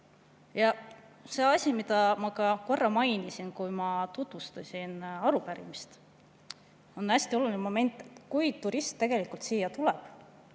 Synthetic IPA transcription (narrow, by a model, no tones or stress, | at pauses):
jɑ | se̞ːɑsʲimid̪ɑmɑkɑko̞rːɑmɑjnisinkujmɑt̪ut̪vust̪ɑsʲinɑɾupæɾḭmist̪ | o̞næsʲt̪io̞lulʲinemo̞me̞nʲt̪ːˑe̞t̪ːkujt̪uɾist̪ːe̞ɡ̥e̞likult̪siːjːɑt̪ulɛb̥